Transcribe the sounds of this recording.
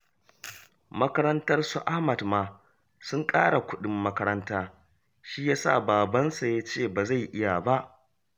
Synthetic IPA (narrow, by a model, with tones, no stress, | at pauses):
mɐ˦kɐ˦ɾɐ˦ntɐ˦rsu˨ʔa˦hmɐ˨dmaː˨ | sʊ˦ŋkʼaː˦ɽa˨kʷʊ˦ɗɪ˨mːɐ˦kɐ˦ɾɐ˦ntaː˦ | ʃiː˦jaː˦sa̰˦˨baː˨bɐ˦nsa˨ja˦t͡ʃeː˦˨ba˨za˦˨jʔɪ˦ja˨ba˦ʔ